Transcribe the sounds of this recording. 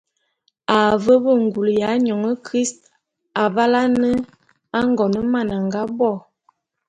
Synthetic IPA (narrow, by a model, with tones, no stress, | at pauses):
a˨və˦bə˦˨ŋɡu˨lja˨˦ɲɔ˨ŋə˦kɾi˦st̚ | a˨ba˦la˦nə˦ | a˦ŋɡɔ˨nə˦ma˦˨na˨ŋɡa˦bɔ˦˨